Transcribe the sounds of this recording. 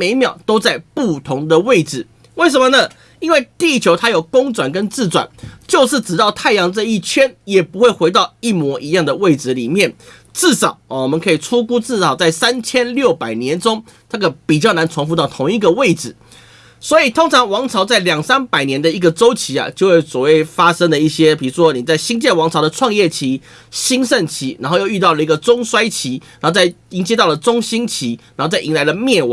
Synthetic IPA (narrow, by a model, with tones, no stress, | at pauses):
me˧˥ɪmjɑ˨˩ʊt̪o˥ʊt͡sa˥˧ɪpu˥˩t̪ʰʊ˧˥ŋd̪ə˨we˥˩ɪʈ͡ʂɹɻ̩˨˩ | we˥˩ɪʂə˧˦mə˧nə˨˩ | i˥nwe˥˧ɪt̪i˥˧˥t͡ɕʰjo˧˥ʊt̪ʰa˥jo˨˩ʊkʊ˥ŋt͡swa˨˩nkə˦˥nt͡sɹ̩˥˩t͡swa̰˨˩nt͡ɕjo˥˧ʊʂɻ̩˥˩ʈ͡ʂɻ̩˨˩t̪ɑ˥˧ʊt̪ʰa˥˩ɪjɑ˧˥ŋt͡sə˥˧i˥˩t͡ɕʰɥɛ˥njɛ˨˩pu˧˥xwe˥˩ɪxwe˧˥ɪt̪ɑ˥˧ʊi˥˩mwɔ˧˥ʔi˧˥jɑ˥˩ŋd̪ə˩we˥˩ɪd͡zɹ̩˧li˨˩mjɛ˥˩n | t͡sɹ̩˥˩ʂɑ˨˩˦ʊ˩wɔ˨˩mə˦nkʰɤ˧˥i˨˩t͡sʰu˥ku˥t͡sɹ̩˥˩ʂɑ˨˩ʊt͡sa˥˩ɪsa˥nt͡ɕʰjɛ˥nljo˥˩ʊpa˨˩ɪnjɛ˧˦nʈ͡ʂʊ˥ŋ | na˥˩ɡə˨˩pi˨˩t͡ɕjɑ˥˩ʊna˧˥nt͡sʰʊ˧˥ŋfu˧˥t̪ɑ˥˩ʊt̪ʰʊ˧˥ŋi˧˩ɡə˨we˥˩ɪd͡zɹ̩ɻ̩˨˩ | swɔ˧˥i˨˩t̪ʰo˥ŋt͡sʰɑ˧˥ŋwɑ˧˥ŋt͡sʰɑ˧˥ʊt͡sa˥˩ɪljɑ˨˩ŋsa˥npa˨˩ɪnjɛ˧˥nd̪ə˧i˧˥ɡə˨ʈ͡ʂo˥ʊt͡ɕʰi˨˥a̰˨t͡ɕjo˥˧ʊwe˥˩ɪswɔ˨˩we˥˩ɪfa˥ʂə˥ŋd̪ə˨i˥˩ɕjɛ˦pi˨˩u˧˦˥ʂʰwɔ˥ni˨˩t͡sa˥˩ɪɕi˥ŋt͡ɕjɛ˥˩nwɑ˧˥ŋt͡sʰɑ˧ʊd̪ə˨˧ʈ͡ʂʰwɑ˥˧ŋjɛ˥˩t͡ɕʰi˧˥˦ | ɕi˥ŋʂə˥˩nt͡ɕʰi˧˥na˧˥nxo˥˧jo˥˧ʊy˥˧t̪ɑ˥˩ʊlə˩i˧˥ɡə˨t͡sʊ˥ŋswa˥ɪt͡ɕʰi˧˥na˨˧˦xt͡sa˥˩ɪi˧˥ŋt͡ɕjɛ˥t̪ɑ˥˩lə˩t͡sʊ˥ŋɕi˥nt͡ɕʰi˧˥nna˨˧˦xt͡sa˥˩ɪi˧ŋla˧˥ɪlə˧˨mjɛ˥˩w